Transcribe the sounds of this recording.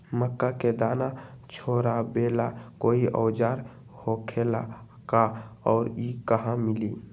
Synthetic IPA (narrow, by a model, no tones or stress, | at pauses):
məkːaked̪aːnat͡ʃʰoːɾabelakoːiʔɔ̰ːd͡ʒaɾ | hokʰela | kaɔːɾikəɦãmɪli